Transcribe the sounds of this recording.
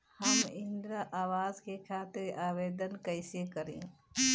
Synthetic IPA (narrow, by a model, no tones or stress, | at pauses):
həmɪ̃nd̪ɾəʔaːwaːzkekʰaːt̪ɪɾaːʋeːd̪ənkəɪsekəɾḛ̃ː